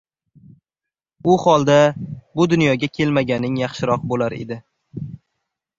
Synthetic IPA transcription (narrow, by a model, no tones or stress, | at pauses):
ʊhɒlˠd̪abʊd̪ʊnjɒɡʲakʲʰe̞lmaɡʲanɪŋjɑχʃɪɾɒq̚bolaɾe̞̰d̪ɪ